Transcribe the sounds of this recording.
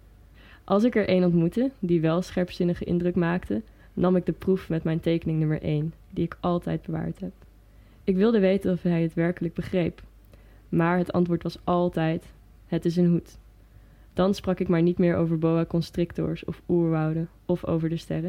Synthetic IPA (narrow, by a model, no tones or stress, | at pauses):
ʔɑlˠsɪkɛɹʔejnɔntmutədiʋɛlˠsχɛɹpsɪnəχəʔɪ̰ndrəkmaːktə | nɑmɪɡ̚dəprufmɛtmɛjntejkənɪŋnɵmə̰ɹʔejn | diɪkɑlˠtɛ̰jd̚bəʋa̰ːɹtɦɛp̚ | ɪkʋɪlˠdəʋejtənɔfɦɛjətʋɛɹkələɡ̚bəχrejp | maːɹɦətɑ̰ntʋʊːɹtʋɑsɑlˠtɛjt | ɦətɪs̬ənɦut | d̥ɑnsprɑkɪkmaːɹnitmɪːɹo̰wvəɹbowakɔnstrɪktɔ̰ɹsɔ̰fuːɹʋɑwdə | ɔfo̰wvəɹdəstɛrə